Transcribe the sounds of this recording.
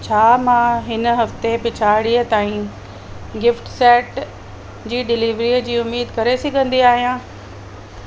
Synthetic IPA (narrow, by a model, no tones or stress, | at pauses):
t͡ɕʰaːmãːɦɪnə̆ɦɐft̪epɪt͡ɕʰaːɽiət̪aːĩ | ɡɪfʈsɛːʈ | d͡ʑiːɖɪliːʋɾiəd͡ʑiːʊmːiːd̪kɐɾesiɡɐ̃nd̪iaːɦijãː